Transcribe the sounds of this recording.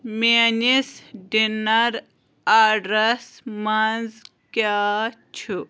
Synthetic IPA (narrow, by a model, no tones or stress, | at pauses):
meːnisɖinɐɾ | aːɖɾɐsmɐnz | kaːt͡ʃʰu